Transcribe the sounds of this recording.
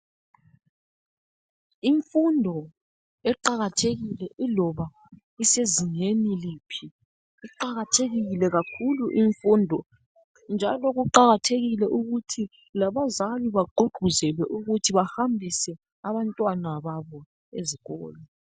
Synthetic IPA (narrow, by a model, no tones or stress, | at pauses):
iɱfundʱɔ | ɛǃaɣatʰeɣilɛʔilɔβa | iseziɲeniliːpʰiː | ǃaɣatʰeɣiɣlɛɣakʰuluʔiɱfuːndʱɔ | nd͡ʒʱalɔɣuǃaɣatʰeɣilɛʔuɣutʰi | laβazaliβaɡ͡ǃʱuɡ͡ǃʱuzɛlwɛʔuɣutʰiβahambʱisɛ | aβantʼwanaβaβɔ | eziɣɔ̰ːlɔ